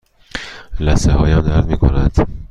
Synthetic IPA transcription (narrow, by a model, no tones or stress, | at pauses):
læsehɒːjæmd̪æɾd̪miːkʰo̰nænd̪̥